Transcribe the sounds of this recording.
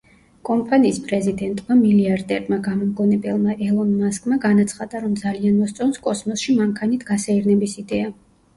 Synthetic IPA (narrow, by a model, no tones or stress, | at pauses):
kʼɔmpʰʼaniːspʼɾɛzid̪ɛnt̪ʼmamiliaɾd̪ɛɾmaɡamɔmɡɔnɛbɛlˠmaʔɛlˠɔnmaskʼmaɡanat̪sʰχad̪aɾɔmd̪zalianmɔst̪sʼɔnskʼɔsmɔsʃimaŋkʰanit̪ʰɡasaiɾnɛbisid̪ɛa